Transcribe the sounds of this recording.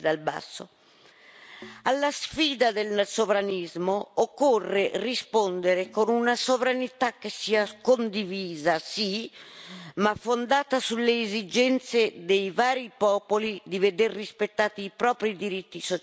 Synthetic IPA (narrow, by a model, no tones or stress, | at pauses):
d̪alba̰sːo̰ | alːasfiːd̪ad̪elsovɾanizmookːorːerispond̪eɾekonunasovɾanit̪akːesːiːakond̪iviːzasi | mafːond̪aːt̪asulːeːzid͡ʒɛnt̪sed̪ejvaːɾipɔːpolid̪ived̪erːispet̪ːaːt̪iːpɾɔːpɾid̪iɾit̪ːiso